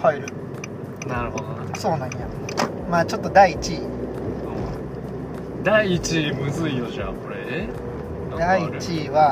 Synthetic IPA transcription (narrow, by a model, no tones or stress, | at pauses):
haiɾɯ̟ | naɾɯ̟hod̪ona̰so̞ːnãɲ̃ja | maːt͡ɕo̞t̪ːo̞d̪aiːt͡ɕi | ɯ̰̃ | d̪aiːt͡ɕimɯ̟zɨijoɕia̰koɾe | d̪aiit͡ɕiβa